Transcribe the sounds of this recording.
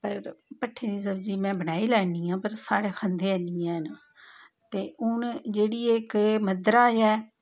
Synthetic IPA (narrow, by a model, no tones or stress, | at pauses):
pəɾpəʈʰːeːniːsəbd͡ʒiːmɛ̃ːbənaːiːlɛːniːãːpəɾsaːɽeːxʰənd̪eːəniːɛ̃ːn | t̪eːʔʊnd͡ʒeːɽiːekməd̪ɾaːjɛː